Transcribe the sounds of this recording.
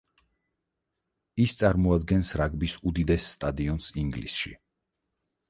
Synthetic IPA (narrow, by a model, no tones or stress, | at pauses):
ist̪sʼaɾmɔad̪ɡɛnsɾaɡbisud̪id̪ɛsːt̪ʼad̪iɔnsiŋɡlḭsʃḭ